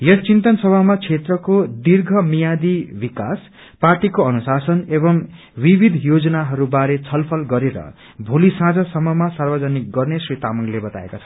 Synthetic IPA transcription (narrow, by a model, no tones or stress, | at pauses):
jʌst͡sint̪ʌnsʌbʱamat͡sʰet̪rʌkod̪irɡʱʌmijad̪ibikas | parʈikoʌnusasʌnebʌm | wibid̪ʱjod͡zʌnaɦʌɾubaɾet͡sʰʌlpʰʌlɡʌɾeɾʌ̰ | bʱulisãd͡zʌsʌmʌmasarbʌd͡zʌnik̚ɡʌrnesrit̪amʌŋlebʌt̪a̰ḛkat͡sʰʌ